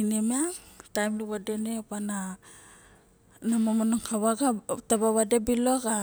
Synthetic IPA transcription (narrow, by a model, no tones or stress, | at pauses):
inemeatajmluβadenepana | namamanoŋkʰaβaɡatabaβadebiloka